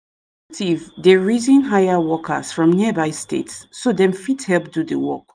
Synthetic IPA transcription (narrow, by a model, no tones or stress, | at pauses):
k̚tʰivdeɹizĩnɦajəwɔkʰə̰sfɹɔ̃mnibaɪstḛtsːodɛ̃mfithɛlˠp̚dudəwɔk